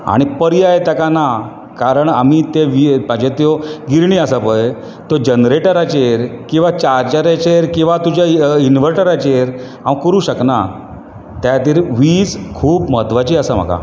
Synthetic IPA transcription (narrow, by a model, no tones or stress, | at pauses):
a̰ɽ̃ipəɾiaet̪akana | kaɾəɳamit̪eʋimad͡ʑet̪joɡiɾɳiːasapəj | t̪od͡ʑənɾeʈəɾat͡ɕeɾkĩw̃ʋat͡ɕaɾd͡ʑaɾat͡ɕeɾkĩw̃ʋat̪ud͡ʑainʋəɾʈəɾat͡ɕeɾɦãʋkəɾuːɕəkna | t̪jat̪iːɾʋiːt͡skʰuːpməd̪ʋat͡ɕiːasam̤a̰ka̰